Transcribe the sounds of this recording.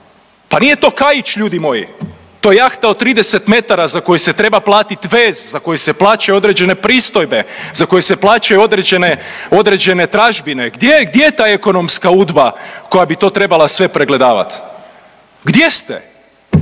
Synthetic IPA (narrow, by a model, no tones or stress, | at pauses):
panije̞t̪o̞kajit͡ʃʎuːd̪imo̞jḭ | t̪o̞jejaxt̪aot̪t̪ːɾiːd̪ese̞t̪me̞t̪aɾazako̞jese̞t̪ɾe̞baplˠaːt̪it̪ʋe̞ːzzako̞jese̞plaːt͡ʃajuo̞d̪ɾed͡ʑe̞ne̞pɾiːst̪o̞jbezako̞jeseplˠaːt͡ʃajuo̞d̪ɾed͡ʑeneo̞d̪ɾed͡ʑe̞ne̞t̪ɾaʒbineɡd̪jeɡ̚d̪jejet̪aːeko̞no̞mskauːd̪bako̞jabit̪o̞ːt̪ɾe̞balˠasʋe̞pɾeɡle̞d̪aːʋa̰t̪ | ɡd̪je̞st̪ḛ